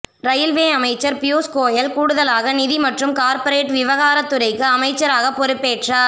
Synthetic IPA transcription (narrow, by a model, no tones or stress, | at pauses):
ɾɐjɪlʋeːɐmɐɪt͡ʃːɐɾpɪjuːskoːjɐlkuːɽɯðɐlaːɣɐnɪðimɐʈrɯmkaːɾpɐɾeːʈʋɪʋɐɣaːɾɐt̪ːɯɾɐɪkːɯɐmɐɪt͡ʃːɐɾaːɣɐpɔɾɯpːeːʈraː